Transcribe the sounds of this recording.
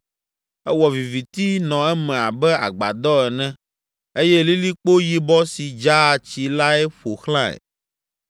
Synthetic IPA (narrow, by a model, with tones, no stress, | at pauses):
ɛ˦wɔ˨vi˨vi˨t̪i˦nɔ̃˨ɛ˦mɛ̃˨a˨bɛ˦a̰˨ɡ͡ba̰˨d̪ɔ˦ɛ˨nɛ̃˦ | e˦jɛ˦li˦li˦k͡po˦ji˦bɔ˦si˨d͡ʒa˦˨t͡ɕi˨la˦ɛ˦ɸo˨xlã˦ɛ̰˨